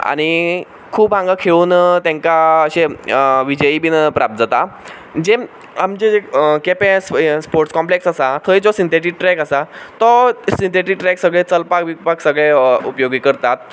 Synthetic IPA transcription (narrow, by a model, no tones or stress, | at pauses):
a̰ɽ̃i | kʰuːbãŋɡakʰeɭuːnt̪ɛ̃ŋkaəɕeʋid͡ʑəiːbinəpɾap̚t̪̚d͡zat̪a | d͡ʑe | amd͡ʑed͡zekepẽsspoɾʈskɔmpleksasat̪ʰəjd͡zɔsint̪eʈik̚ʈɾɛkəsat̪ɔsint̪eʈik̚ʈɾɛksəɡɭet͡səlpakʋipaksəɡɭeṵpjoɡikəɾt̪at̪̚